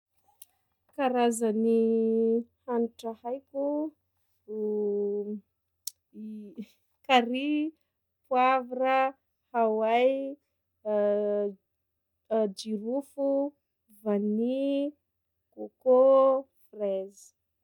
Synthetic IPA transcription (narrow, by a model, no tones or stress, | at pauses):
kaɾazani | haniʈ͡ʂahajkʲu | kaɾi | pwavra | hawaj | d͡ʒiɾufu | vani | koko | frezi̥